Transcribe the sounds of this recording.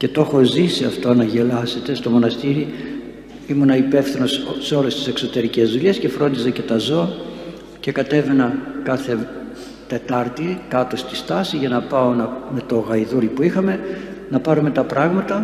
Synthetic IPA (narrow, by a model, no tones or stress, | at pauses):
ce̞t̪o̞xo̞zisiɐft̪o̞nɐʝe̞lɐse̞t̪e̞st̪o̞mo̞nɐst̪iɾi | imunɐipe̞fθino̞sseo̞lest̪i̥se̞kso̞t̪e̞ɾice̞zðuʎesce̞fɾo̞nd̪isɐce̞t̪ɐzo̞ɐ | ce̞kɐt̪e̞ve̞nɐkɐθe̞ | t̪e̞t̪ɐɾt̪ikɐt̪ost̪ist̪ɐsiʝɐnɐpɐo̞nɐme̞t̪o̞ɣɐiðuɾipuixɐme̞ | nɐpɐɾume̞t̪ɐpɾɐɣmɐt̪ɐ